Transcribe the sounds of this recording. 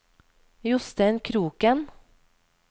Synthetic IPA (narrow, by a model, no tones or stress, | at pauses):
jʊst̪eːnkʰɾuːkən